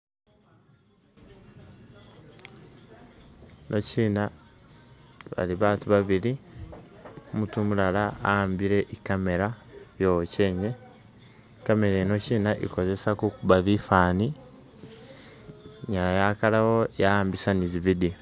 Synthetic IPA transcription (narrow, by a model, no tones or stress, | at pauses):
nʔo̞ciːna | βa̰liβaːtuβaβili | omutumulalaambiɾe̞ʔikame̞ɾaβjooceːɲe | kame̞ɾeno̞ciːnaʔḭko̞ze̞sakukuβaβifaːni | ɲalajakalawo̞jaaːmbisaniziβidi